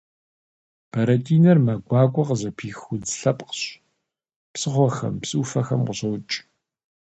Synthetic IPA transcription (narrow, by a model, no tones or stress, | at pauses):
b̥ʰɐɾɐtʰʼiːnɐrmɐɡʷɑːkʷʼɔqzɐpʰiːxʊd͡zɬɐpʼqə̥ɕ | psɨχʷɔxɐ̰mpsʼufɐxɐmqʷʊɕɐwt͡ʃʼ